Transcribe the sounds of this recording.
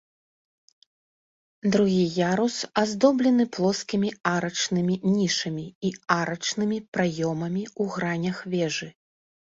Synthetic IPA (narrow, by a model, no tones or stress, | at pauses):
d̪ɾuɣʲijaɾusazd̪ɔblʲɛn̪ɨplˠɔskʲimʲiaɾɐt͡ʂnɨmʲinʲiʂɐmʲiiaɾɐt͡ʂnɨmʲipɾajɔmɐmʲiuɣɾanʲɐxvʲɛʐɨ